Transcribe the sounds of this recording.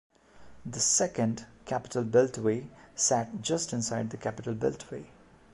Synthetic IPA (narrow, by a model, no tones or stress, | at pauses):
d̪əsɛkə̃nɖkʰæpɪ̥ʈʰəlbɪltwesæʈ̚d͡ʒʌstɪ̃nsaɪɖ̚d̪əkʰæpɪʈəlbɪ̰ltʰweː